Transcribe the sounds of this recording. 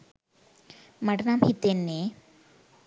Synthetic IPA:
mɐʈnaːmhit̪enːe

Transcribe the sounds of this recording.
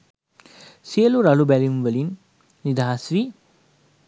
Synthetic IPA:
siəluɾalubælimʋəlinː | id̪aɦasʋi

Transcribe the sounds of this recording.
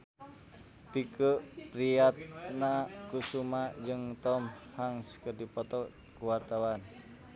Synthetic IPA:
t̪ikəpɾiat̪̚nakusumad͡ʒɨŋt̪ɔmhaŋskədipɔt̪ɔʔ | kuwart̪awan

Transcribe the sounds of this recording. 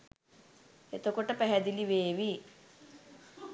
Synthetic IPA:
et̪okoʈːɐpɛɦɐd̪iliʋeːʋi

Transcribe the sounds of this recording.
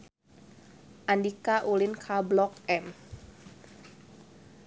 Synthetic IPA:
ʔandikaʔulinkʰablɔk̚ɛm

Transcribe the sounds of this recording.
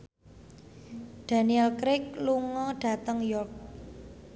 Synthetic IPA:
d̥a̤niɛlkɾɪk̚luŋɔɖ̥ä̤t̪əŋjɔrk̚

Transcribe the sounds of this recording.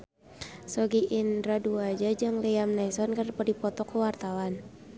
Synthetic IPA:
sɔɡiʔindɾaduad͡ʒad͡ʒaŋlɛamnaisɔnkarpɔdipɔt̪ɔkuwart̪awan

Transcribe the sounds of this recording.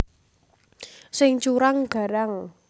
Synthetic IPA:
sɪŋt͡ʃuɾaŋɡ̥a̤ɾaŋ

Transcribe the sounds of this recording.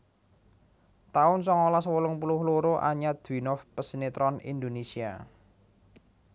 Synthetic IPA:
t̪aʊnsɔŋolaswolʊŋpulʊhloɾoʔa̰ɲad̪̥winɔfpəsinet̪ɾɔnḭnd̪onesia̰

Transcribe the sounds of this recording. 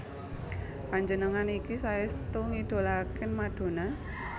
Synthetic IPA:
paɲd͡ʒənəŋanikisaɪst̪uŋid̥o̤lakɪnmaɖ̪̥o̤na

